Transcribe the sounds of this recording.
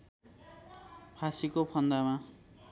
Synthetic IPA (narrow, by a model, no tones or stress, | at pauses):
pʰasikopʰʌnd̪ama